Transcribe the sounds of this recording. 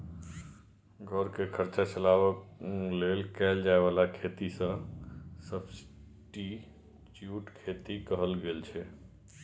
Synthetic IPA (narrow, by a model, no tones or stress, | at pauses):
ɡʱɔɾkekʰəɾt͡ʃat͡ʃəlawəklelkɛld͡ʒaebalakʰet̪isə̃səbsʈi | t͡ʃjuʈkʰet̪ikəɦəlɡelt͡ʃʰɛ